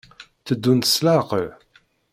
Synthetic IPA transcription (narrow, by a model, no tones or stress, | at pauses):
θəd̪ːunt̪ə̥slaqə